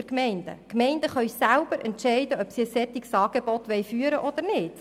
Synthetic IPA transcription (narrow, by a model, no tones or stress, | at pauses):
ɛɾkmɛɪnd̥ə̰kmɛɪndəχœɥsælb̥əɾʔɛntʃɛɪdəœpsiəsɛt̪iksɑːɡ̥ebɔt̪ʋɛjfyːəɾəʔɔd̪əɾnɪːt